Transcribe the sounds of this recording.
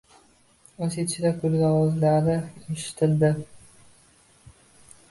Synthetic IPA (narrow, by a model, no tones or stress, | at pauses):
oset͡ʃʰɪd̪akʰʊlɡʲawɒzlaɾnɪeʃɪ̥t̪ʰɪld̪ɪ